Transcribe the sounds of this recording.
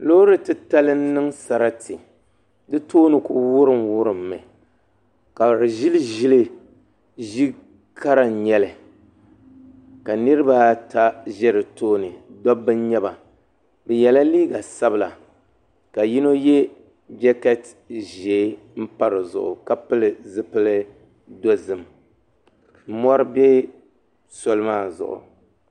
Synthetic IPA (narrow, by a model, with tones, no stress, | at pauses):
lo˦ɾɨ˨tɨ˦ta˦lɨ˦n̩˦nɨ˦ŋsa˨ɾa˦ti˨ | dɨ˦toː˦nɨ˨ku˦wʊ˦ɾɨ˨mwʊ˦ɾɨ˨mːɨ˨ | ka˨ɾɨ˨ʒi˦lɨ˦ʒi˦lɨ˦ | ʒi˦ | kʰa˦ɾa˦˨ɲɛ˦lɨ˨ | ka˨nɨ˦ɾɨ˦ba˦tʰa˦ʒɛ˦ɾɨ˨toː˦nɨ˨dɔ˦bːɨ˦ɲɛ˦ba˨ | bɨ˨jɛ˨la˦liː˦ɡa˨sa˦bɨ˨la˨ | ka˨ji˦no˦jɛ˦ | d͡ʒɛ˦kɛ˦t | ʒeː˨˦ | m̩˦pa˦ɾɨ˨zʊ̰˨ʔʊ̰˨ka˦pɨ˦lɨ˨zɨ˦pɨ˦lɨ˦ | do˦zɨ˨m | m̩˦mɔ˦ɾɨ˦bɛ˦ | so˦lɨ˦maː˦˨zʊ̰˨ʔʊ̰˨